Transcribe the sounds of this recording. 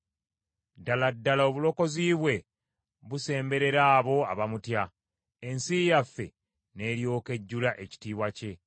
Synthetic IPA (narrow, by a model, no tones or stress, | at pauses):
daladːalao̞βulo̞ko̞ziːβwe̞ | βuse̞ːmbe̞ɾe̞ɾaːβo̞aβamutja | ensijafːe̞̰ | ne̞ːɾjo̞ːke̞ɟːulaʔe̞ci̥tiːβwace̞